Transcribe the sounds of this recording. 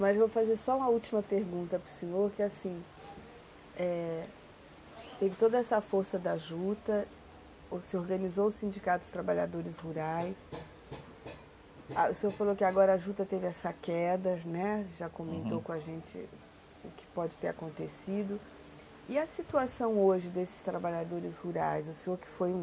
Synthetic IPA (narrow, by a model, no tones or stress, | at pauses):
mɐzvowfazeɾsɔũmɐut͡ʃimɐpeɾɡũnt̪ɐpɾʊsẽɲoɾkɪasĩ | ɛ | t̪evɪt̪od̪ɐɛsɐfoɾsɐd̪aʒut̪ɐ | sɪoɾɡɐ̃nizoʊsĩd͡ʒikat̪ʊ̥st̪ɾabaʎa̰d̪oɾɪzhuɾajs | aʊsẽoɾfalokɪaɡɔɾɐaʒut̪ɐt̪evɪɛsɐkɛd̪ɐnɛʒakõmẽnt̪owkõaʒẽnt͡ʃɪ̰ | ʊkɪ̥pɔd͡ʒɪt̪eɾakõnt̪esid̪ʊ | ɪɐsit̪uasɐ̃w̃oʒɪd̪esɪ̥st̪ɾabaʎad̪oɾɪshuɾa̰jzʊseoɾkɪ̥fojũ